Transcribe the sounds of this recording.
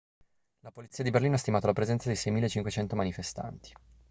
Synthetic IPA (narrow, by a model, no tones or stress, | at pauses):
lapolit̪siːad̪iberliːnoast̪imaːt̪oalapɾezɛnt̪sad̪ejsɛjmilːet͡ʃiŋkwet͡ʃɛnt̪omanifest̪a̰nt̪i̥